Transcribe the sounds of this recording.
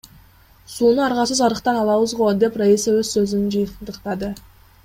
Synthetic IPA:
sunəɑɾʁɑsəzɑɾəqt̪ɑnɑlˠɑwəzʁod̪e̞praisəwɵzsɵzɪnnʒijnd̪əqt̪ɑd̪ə

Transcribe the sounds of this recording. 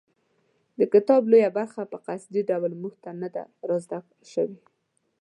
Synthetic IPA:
d̪əkɪt̪ɑblojabaɾxapəqasd̪iɖawlmuxt̪anad̪a̰ɾɑzd̪ak | ʃəwi

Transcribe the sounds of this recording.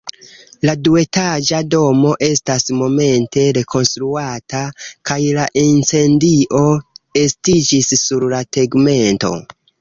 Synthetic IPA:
ladue̞tad͡ʒado̞mo̞ʔe̞stasmo̞me̞nte̞ɾe̞kʰo̞nstɾuatakajlaʔint͡se̞ndiʔo̞e̞stid͡ʒisːuɾlateɡme̞nto̞̰

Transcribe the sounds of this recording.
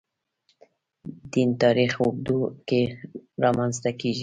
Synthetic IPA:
d̪int̪ɑɾixʊɡ̚d̪ukeɾɑmanzt̪akeʒi

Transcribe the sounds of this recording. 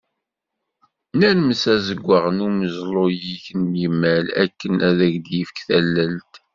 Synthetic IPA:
nænməsæzəɡʷːəʁənuməzlˤojiçənjəmːælæ̰kːənæðæʝd̪jəfə̥kθælːælt̪

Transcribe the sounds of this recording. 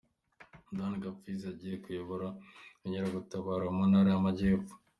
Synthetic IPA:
danɡafizaɟijekujoβoɾauɲeɾaɡutaβaːɾamonaɾiamaɟeːfu̥

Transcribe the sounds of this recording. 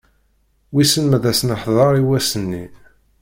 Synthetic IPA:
wisənmæðæsnəħðˤɑɾˤiwæsənːi

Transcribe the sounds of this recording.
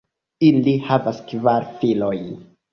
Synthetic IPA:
ilihavaskvaɾfilo̞j

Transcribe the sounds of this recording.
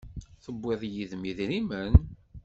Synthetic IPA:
θəbːɪðˤjiðmiðɾimən

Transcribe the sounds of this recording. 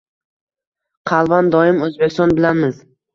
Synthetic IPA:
qʰɑlˠvand̪ɒɪmɵzbekʲst̪ɒnbɪlamɪz

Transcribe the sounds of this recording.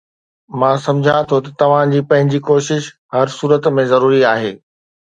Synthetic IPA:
mãːsɐ̃md͡ʑʱat̪ʰot̪ɐt̪ɐʋ̤ãd͡ʑiːpɐ̃ɦɪ̃ɲd͡ʑikoːʃɪʃ | ɦɐɾsuːɾət̪mẽzɐɾuːɾiaːɦeː

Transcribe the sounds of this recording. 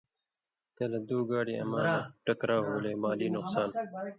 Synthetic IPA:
t̪elɐd̪uːɡaːɽiːɐ̰maːnaʈəkɾaːɦoːleːmaːliːnʊqsaːn

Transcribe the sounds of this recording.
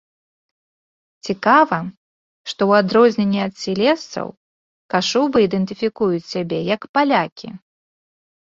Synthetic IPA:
t͡sʲikavɐ | ʂt̪ɔwad̪ɾɔzʲnʲenʲːɛɐt̪sʲilʲɛst̪sɐ̰w | kaʂubɨid̪ɛnt̪ɨfʲikujut͡sʲsʲabʲɛjɐkpalʲakʲḭ

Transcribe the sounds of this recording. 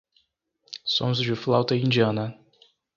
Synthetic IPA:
sõzʊd͡ʒɪflawt̪ɐĩnd͡ʒiɐ̃nɐ

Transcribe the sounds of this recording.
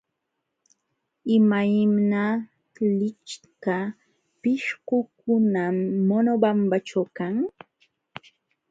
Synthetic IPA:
ɪmajmna | lɪt͡ʃka | pɪʃkʊkʊnamːonobambat͡ʃawkaŋ

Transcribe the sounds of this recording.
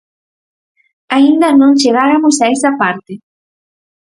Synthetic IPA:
aind̪anont͡ʃeɣaɾamʊsajsapaɾt̪e

